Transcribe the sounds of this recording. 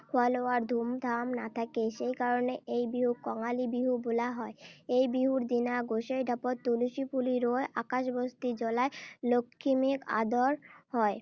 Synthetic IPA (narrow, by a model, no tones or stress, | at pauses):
kʰaloaɾd̪ʱumd̪ʱamnat̪ʰakeʃejkaɾoneʔejbiɦuɾkɔŋalibiɦubulaɦɔeejbiɦuɾd̪inaɡoʃejɖʱɔpot̪t̪uluʃipuliɾoeʔakaʃbost̪id͡ʑɔlaelokʰːimika̰d̪oɾhɔe